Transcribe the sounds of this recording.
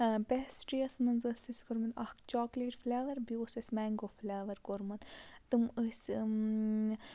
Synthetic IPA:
besʈɾijɐsnɐnzɐsisʲkoɾmɐnɐhkt͡ʃɔːkleʈfleːʋɐɾbiosʲɐsʲmɛːŋɡoflʲaːʋɐɾkoɾmɐnt̪ɨməsʲ

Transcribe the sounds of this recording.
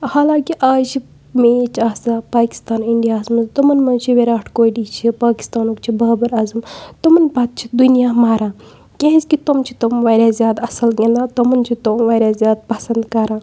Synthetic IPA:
haːlãːkiʔaːt͡ʃʰi | mẽːt͡ʃaːsaːpaːki̥st̪aːniɳɖijaːzmɐzt̪umɐnmɐt͡ʃʰiʋeɾaːʈʰkoːɖit͡ʃʰipaːki̥st̪aːnoːkt͡ʃʰibɐɦbɐɾaːzɐmt̪umɐnbaːt̪̚t͡ʃʰid̪unijaːmaːɾãː | kʲẽɦizʲkit̪omt͡ʃʰi̥t̪omʋaːɾʲjaːzʲjaːd̪ɐsɐlɡʲẽnd̪aːt̪omɐnt͡ʃʰit̪omʋaːɾʲjaːzʲjaːd̪̚pɐsɐnd̪kɐɾãː

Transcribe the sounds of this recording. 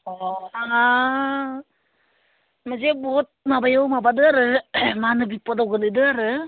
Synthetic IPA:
oaa | mad͡ʒebot̚mabajowmabadɯaɾɯmanɯbipodawɡɯnɯdɯaɾɯ

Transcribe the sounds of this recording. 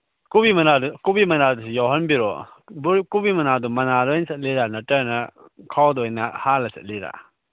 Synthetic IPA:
kubimɐnadukubimɐnadusijɔwɦɐnbiɾɔ̰ | bkubimɐnadumɐnadɔjnsɐt̚liɾanɐtɐɾnɐ | kʰawdɔjnɐ̰halɐsɐ̰t̚liɾa̰

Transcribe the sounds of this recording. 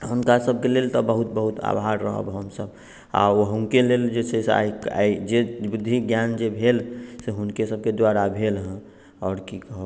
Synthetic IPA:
ɦʊnkasəb̚ʱkelelt̪ɔbəɦut̪̚bəɦut̪a̰bʱaɾɾəɦə̰bɦəmsəb | a̰oɦunkeleld͡ʒesesa̰ika̰d͡ʒebʊd̪ʱːiɡjand͡ʒebʱelseɦʊnkesəb̚ked̪waɾabʱelɦɛ̃ | ɔːɾkikəɦə

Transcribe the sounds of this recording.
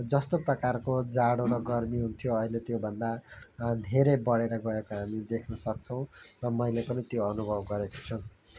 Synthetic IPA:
d͡zʌst̪oprʌkarkod͡zaɽoɾʌɡʌrmiɦunt̪ʰijoʌilet̪jobʱʌnd̪ad̪ʱeɾejbʌɽeɾʌɡʌekoɦamid̪ekʰnʌsʌk̚t͡sʰʌw̃rʌmʌjlepʌnit̪joʌnubʱʌbɡʌɾeko̥t͡sʰʌw

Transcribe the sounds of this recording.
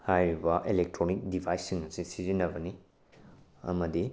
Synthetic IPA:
hajɾibɐʔilek̚tɾonik̚dibʰʱajsːiŋɐsisizinːɐbɐni | ɐ̰mɐdi

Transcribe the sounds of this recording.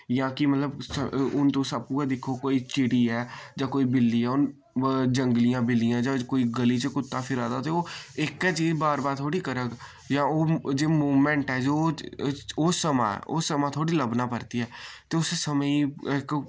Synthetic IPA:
jãːkɪmət̪ləbsəʊnt̪õːsab̚kuːɛ̃d̪ɪkʰːokoːiːt͡ʃɪɽiːɛːd͡ʒãːkoːiːbɪlːiːɛːʊn | d͡ʒəŋɡlɪjãːbɪlːɪjãːd͡ʒãːkoːiːɡəliːt͡ʃkʊt̪ːãːpʰɪɾaːd̪at̪eoːɪkɛt͡ʃiːd͡ʒbaːɾbaːɾt̪ʰoːɽiːkəɾəɡ | jãːoːd͡ʒeːmuːmɛ̃ːɳʈɛːd͡ʒoː | oːsəmã̰ːo̰ːsəmãːt̪ʰoːɽiːləbnaːpəɾt̪iɦɛːt̪eːʊssəməiɪk

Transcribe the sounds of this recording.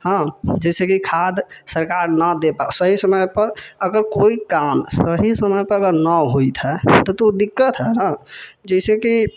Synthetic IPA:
hə̃d͡ʒɛɪsekikʰad̪səɾkaɾnəd̪epasəɦisəməjpəɾəɡəɾkoikamsəɦisəməjpəɾəɡəɾnəɦojt̪ʰɦɛt̪ɔt̪od̪ikːət̪ɦɛɦə̃d͡ʒɛseki

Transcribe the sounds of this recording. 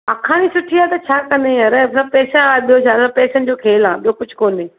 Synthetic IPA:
ɐkʰaːñisʊʈʰiaːt̪ɐt͡ɕʰaːkɐnẽɦɐɾəsãpɛːʃə̃aːɓijot͡ɕʰaːɐ̃pɛːʃəñd͡ʑoːkʰeːlãːɓijokʊd͡ʑʱkoːneː

